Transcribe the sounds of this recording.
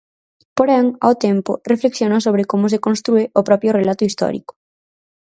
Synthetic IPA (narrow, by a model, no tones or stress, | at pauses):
poɾɛŋa̰wt̪ɛmpʊrefleksjonos̬oβ̞ɾɪkomʊs̬ekonst̪ɾuɪʊpɾɔpjʊrelat̪ʊist̪ɔ̰ɾḭkʊ̥